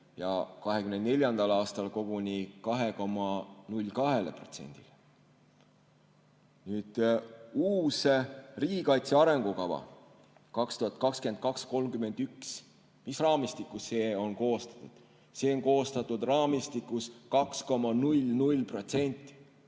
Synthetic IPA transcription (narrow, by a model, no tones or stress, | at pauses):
jɑ̰kɑɦekymnenne̞lʲjɑnd̪̥ɑlɑːst̪ɑlko̞ɡ̥unikɑɦe̞ko̞mːɑnulʲkɑɦe̞lepro̞̰t̪se̞̰nʲd̪̥ile | nyːd̪̥uːseriːikɑjt̪seɑɾe̞ŋɡ̥ukɑvɑ̰ | kɑkst̪uhɑt̪̚kɑkskent̪̚kɑksko̞lmkyme̞nd̪̥yks | misrɑːmist̪ikːˑusse̞ːo̞nko̞ːst̪ɑ̥t̪ːˑud̪̥ | se̞ːoŋko̞ːst̪ɑt̪ˑːud̪rɑːmist̪ikːuskɑksko̞mɑnulʲnulʲpro̞t̪se̞nʲt̪ːˑi̥